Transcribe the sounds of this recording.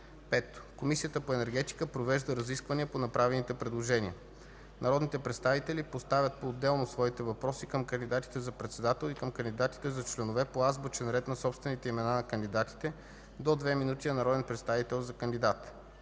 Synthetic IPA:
pɛt̪ːkomisijət̪əpoɛnɛɾɡɛt̪i̥kəpɾovɛʒd̪əɾɐziskvəniəponɐpɾavɛnit̪ɛpɾɛd̪lˠoʒɛnʲiə | nʔɐɾɔd̪nit̪ɛpɾɛt̪st̪avit̪ɛlipost̪avʲət̪̚poːd̪ːɛlˠnosvɔit̪ɛvɐpɾɔsikəmkənd̪id̪at̪i̥t̪ɛzɐpɾɛt̪sɛd̪at̪ɛlˠikəmkənd̪id̪at̪i̥t̪ɛzɐt͡ʃlɛnovɛpoazbot͡ʃɛnɾɛt̪nɐsɔpst̪vɛnit̪ɛimɛnanɐkənd̪id̪at̪i̥t̪ɛ | d̪od̪vɛminut̪iɐnɐɾɔd̪ɛnpɾɛt̪st̪avit̪ɛlˠzɐkənd̪id̪at̪

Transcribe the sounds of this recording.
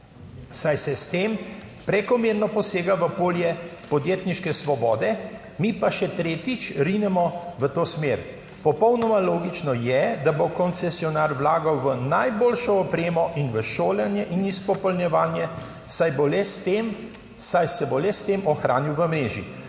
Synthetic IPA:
sajsɛst̪em | pɾɛkɔmeːɾnɔpɔseːɡaʋəpoːljɛpɔd̪jeːt̪niʃkɛsʋɔbɔ̰ːd̪ɛ | mipaʃɛt̪ɾeːt̪it͡ʃɾinɛmɔʋət̪oːsmeɾ | pɔpɔwnɔmaloːɡit͡ʃnɔjɛd̪abokɔnt̪sɛsiɔnaːɾʋlaːɡawʋənajboːlʃɔːpɾeːmɔʔinʋəʃoːlɛnjɛʔinispɔpɔlnjɛʋaːnjɛ | sajbolɛst̪em | sajsɛbolɛst̪eːmɔxɾaːniwʋəmɾeːʒḭ

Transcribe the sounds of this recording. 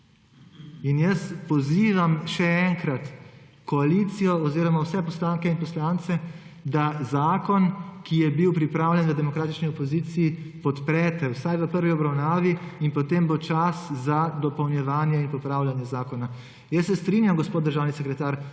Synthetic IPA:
injəspɔziːʋamʃɛɛŋkɾat̪ | kɔalit̪sijɔɔziːɾɔmawsɛpɔslaːŋkɛinpɔslant̪sɛ | d̪azaːkɔnkijɛbiwpɾipɾaːwlʲjɛnʋəd̪ɛmɔkɾaːt̪it͡ʃniɔpɔziːt̪siːpɔt̪pɾɛt̪ɛwsajʋəpəɾʋiɔbɾawnaːʋiinpɔt̪embot͡ʃaszad̪ɔpɐwnjɛʋaːnjɛinpɔpɾawlʲjanjɛzaːkɔna | jəsːɛst̪ɾinjamɡɔspoːt̪̚d̪əɾʒaːwnisɛkɾɛt̪aːɾ

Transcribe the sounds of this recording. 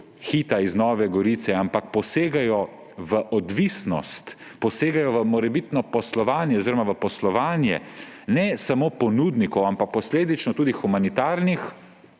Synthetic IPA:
xiːt̪aiznɔːʋɛɡɔɾit̪sɛampak̚pɔseːɡajɔ | ʋəʔɔd̪ʋisnɔ̰st̪ | pɔseːɡajɔʋəmɔɾɛbit̪nɔpɔslɔʋaːnjɛɔziɾɔmaʋəpɔslɔʋaːnjɛ̰nɛsamoːpɔnuːd̪nikɔwampak̚pɔsleːd̪it͡ʃnɔt̪uːd̪ixumanit̪aːɾnix

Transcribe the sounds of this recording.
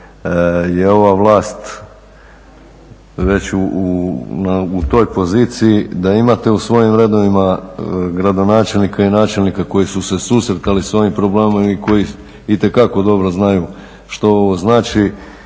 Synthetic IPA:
je̞o̞ʋaʋlˠaːst̪ | ʋe̞t͡ɕuunaut̪o̞ːjpo̞ziːt̪sijid̪aimat̪e̞usʋo̞jimɾe̞d̪o̞ʋimaɡɾad̪o̞naːt͡ʃe̞lnikainaːt͡ʃe̞lnikako̞jisuse̞susɾet̪alisʋo̞jimpɾo̞bleːmomiko̞ji | it̪e̞kako̞d̪o̞bɾoznaju | ʃt̪o̞oʋo̞znaːt͡ʃi

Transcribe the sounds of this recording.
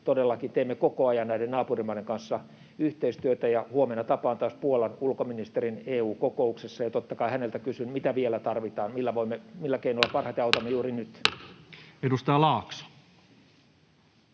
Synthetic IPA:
t̪odelːɑkint̪eːmːekokoɑjɑnnæidennɑːpurimːɑiɾeŋkɑnsːɑ | yht̪eist̪yøt̪æjɑhuomenːɑt̪ɑpɑːnt̪ɑspuolɑnulkominist̪erineːuːkokouksesːɑjɑt̪ot̪ːɑkɑihænelt̪ækysynmit̪æʋielæt̪ɑrʋit̪ɑːnmilːæʋoimːemilːækeinolːɑpɑrhɑt̪eɑut̪ɑmːejuːrinyt̪ | edust̪ɑjɑlɑːksɑ̥

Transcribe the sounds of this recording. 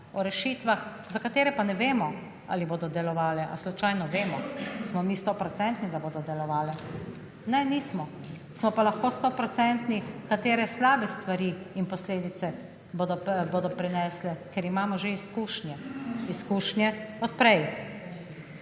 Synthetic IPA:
ɔɾɛʃiːt̪ʋax | zakat̪eːɾɛpanɛʋeːmɔ | a̰ːliboːd̪ɔd̪ɛlɔʋaːlɛʔa̰slut͡ʃaːjnɔʋeːmɔsmɔmiːst̪ɔpɾɔt̪sɛnt̪nid̪aboːd̪ɔd̪ɛlɔʋaːlɛ | nɛniːsmɔ | smɔpalaxkoːst̪opɾɔt̪sɛnt̪nikat̪eːɾɛslaːbɛst̪ʋaɾiːnpɔsleːd̪it̪sɛ | bod̪ɔboːd̪ɔpɾɛnɛslɛkɛɾimaːmɔʒeiskuʃnjɛiskuʃnjɛɔt̪̚pɾɛj

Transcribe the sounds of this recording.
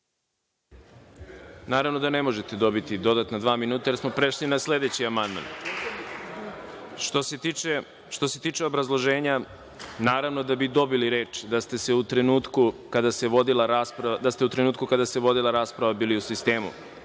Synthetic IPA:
naːɾavno̞d̪ane̞mo̞ʒet̪e̞d̪o̞bit̪id̪o̞d̪at̪nad̪ʋaːminuːt̪ajesmo̞pɾe̞ʃlinasle̞d̪e̞t͡ɕiamand̪ma̰n | ʃt̪osie | ʃt̪o̞se̞t̪iːt͡ʃe̞o̞bɾazlˠo̞ʒeːɲa | naːɾaʋno̞d̪abid̪o̞biliɾe̞ːt͡ʂd̪ast̪e̞seut̪ɾenuːt̪kukad̪aseʋo̞d̪ilaɾaspɾad̪ast̪e̞ut̪ɾenuːt̪kukad̪aseʋo̞d̪ilˠaɾaːspɾaʋabiːliusist̪eːmṵ

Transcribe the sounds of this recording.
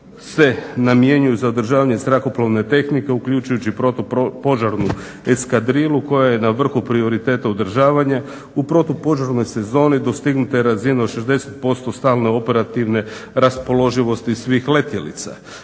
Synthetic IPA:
se̞namije̞ɲujuzaod̪r̩ʒaːʋaɲezɾako̞plˠoʋne̞t̪e̞xnike̞ukʎut͡ʃujut͡ɕipot̪po̞ʒaɾnu | e̞skad̪ɾilˠuko̞jaje̞naʋr̩xupɾio̞ɾit̪e̞ːt̪aod̪r̩ʒaːʋaɲa | upɾo̞t̪opo̞ʒaɾno̞jse̞zo̞ːnid̪o̞st̪iɡnut̪ajeɾazineoʃe̞zd̪e̞se̞t̪̚po̞st̪o̞st̪aːlne̞o̞pe̞ɾat̪iʋne̞ɾaspo̞lo̞ʒiʋo̞st̪isʋixle̞t̪jelḭt̪sa̰

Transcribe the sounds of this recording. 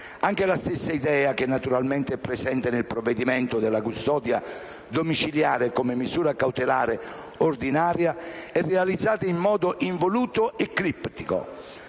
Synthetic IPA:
aŋk̟elast̪esːaid̪ɛːak̟ɪnːat̪uɾalmɛnt̪eɛpːɾesɛnt̪ɪnɪlpɾovːed̪imɛnt̪ʊd̪ɪlakust̪ɔːd̪ja | d̪omit͡ʃiljaːɾekomɪmːizuːɾakawt̪elaːɾe | ord̪inaːɾjaɛrːealid̪zːaːt̪aiɱːɔːd̪oʔiɱvoluːt̪oɛkːɾipːt̪iko̰

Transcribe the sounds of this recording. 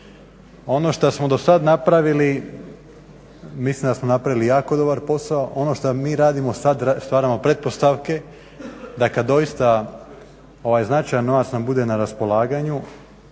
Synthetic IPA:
o̞no̞ʃt̪asmo̞d̪o̞sad̪napɾaʋili | mislˠimd̪asmo̞napɾaʋilijaːko̞d̪o̞baɾpo̞saoʔo̞noʃt̪amiːɾaːd̪imo̞sad̪st̪ʋaːɾamo̞pɾe̞t̪̚po̞st̪aʋke̞ | d̪akad̪ːo̞jist̪a | o̞ʋajznat͡ʃajanːo̞ʋat̪snambud̪e̞naɾaspo̞lˠaːɡaɲu

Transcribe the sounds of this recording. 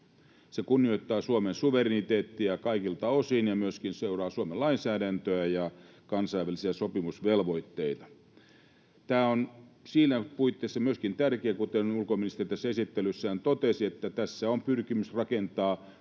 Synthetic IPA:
sekunːioit̪ːɑːsuomensuʋerinit̪eːt̪ːiækɑikilt̪ɑosinjɑmyøskinseurɑːsuomelɑinsæːdænt̪øæjɑ | kɑnsɑiʋælˑisiæsopimusʋelʋoit̪ːeit̪ɑ̥ | t̪æːonsiːlæpuit̪ːeːsːɑmyøskint̪ærkeːkut̪enulkominist̪erit̪æsːæesit̪ːelysːæænt̪ot̪esiet̪ːæt̪æsːæompyrkimysrɑkent̪ɑː

